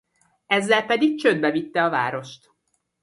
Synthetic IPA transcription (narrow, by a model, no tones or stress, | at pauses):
ɛzːɛlpɛd̪ik̚t͡ʃød̪̚bɛvit̪ːɛɒva̰ːɾo̞ʃt̪